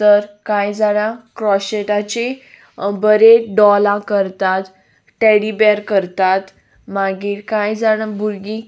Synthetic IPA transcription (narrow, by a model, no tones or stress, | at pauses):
təɾkajd͡zaɽ̃ãkɾɔɕeʈat͡ɕe | bəɾeɖɔlãkəɾt̪at̪ | ʈɛɽibɛɾkəɾt̪at̪ | maɡiːkajd͡zaɽ̃ãbuɾɡĩ